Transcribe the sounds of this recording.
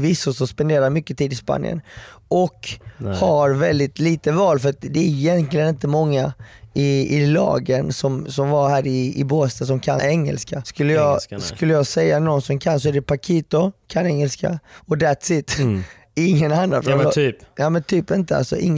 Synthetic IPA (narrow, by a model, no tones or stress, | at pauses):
vɪsːʊsɔmspɛnd̪eːɾamʏkːət̪ʰiːd̪ɪspa̰njə̰nʔɔkhaɾvɛld̪ɪt̪liːt̪əvɑːlfœɾat̪d̪ɛæɾɪjɛnt̪lɪɡənɪnt̪əmɔŋːaɪɪlɑ̰ːɡənsɔmsɔmvahæːɾɪɪboːst̪as̬ɔmkʰaɛŋːə̰lskaskɵlːəjɑskɵlːəjɑɡsɛjːanɔnsɔmkʰansɔæɖɛpʰakʰiːt̪ʊkʰanɛŋːəlska̰ɔd̪æt̪sɪt̪ | ɪŋːənanːat̪fɾaːjɑːmɛnt̪ʰyːpɪnt̪əa̰lsɔ̰ʔɪ̰ŋː